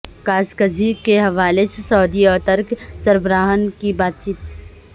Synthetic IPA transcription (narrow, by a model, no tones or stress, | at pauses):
kaːskəd͡ʒʱikeɦɐʋaːlesesɔːd̪iɔːt̪əɾksɐɾbəɾaːɦənkibaːt̪̚t͡ʃiːt̪